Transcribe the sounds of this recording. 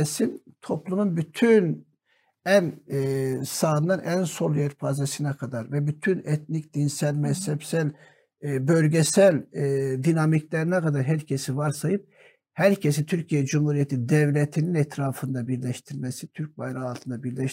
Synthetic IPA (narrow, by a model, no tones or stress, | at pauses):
sint̪ʰo̞plˠumunbyt̪ʰyn | æn | saːnːɯnʔænsolˠjɛɾfaːzɛsinɛkʰad̪aɾvɛbyt̪ʰynɛt̪nicd̪̥insælʲmɛshɛpsælʲ | bølʲɟɛsælʲd̪inamiclʲɛɾinɛkʰad̪aɾɦæɾcʰesivaɾsajɯp̚ | hæɾcʰes̬it̪ʰyɾcʰijɛd͡ʒumhuɾijɛt̪ʰid̪ɛvlʲɛt̪ʰininɛt̪ʰɾaːfɯnd̪abiɾlʲɛʃt̪ʰiɾmɛsit̪ʰyɾc̚bajɾaalˠt̪ʰɯnd̪abiɾlʲɛʃ